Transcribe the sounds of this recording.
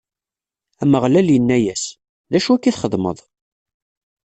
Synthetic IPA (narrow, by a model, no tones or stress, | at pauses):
æməʁlæljənːæjæs | ðæʃuækːiθχəðˤmə̰ðˤ